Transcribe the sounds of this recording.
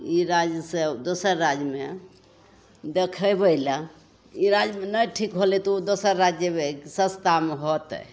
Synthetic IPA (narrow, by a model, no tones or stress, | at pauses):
iɾad͡ʒjəsed̪osəɾːad͡ʒəme | d̪ekʰəbəila | iɾad͡ʒmenəʈʰikɦolit̪oud̪osəɾːad͡ʒjəmesə̃st̪ameɦot̪